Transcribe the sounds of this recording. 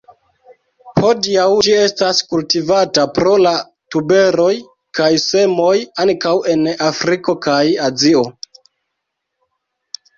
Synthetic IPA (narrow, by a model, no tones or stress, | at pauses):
ho̞diawd͡ʒie̞staskultivatapɾo̞la | tube̞ɾo̞j | kajse̞mo̞jaŋkawe̞nafɾiko̞kajazio̞